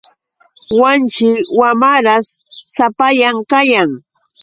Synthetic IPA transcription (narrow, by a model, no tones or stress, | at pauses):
want͡ʃɪwamaɾassapajaŋkajaŋ